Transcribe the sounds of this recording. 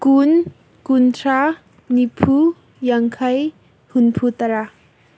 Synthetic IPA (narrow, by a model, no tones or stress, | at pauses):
kun | kuntʰɾa | nipʰu | jaŋkʰɐj | hunpʰut̪ɐɾa